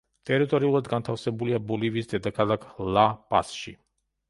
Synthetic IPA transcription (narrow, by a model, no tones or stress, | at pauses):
t̪ɛɾit̪oɾiulˠd̪ɡant̪ʰawsɛbuliabolivisd̪ɛd̪əkʰalaklapa̰sʃḭ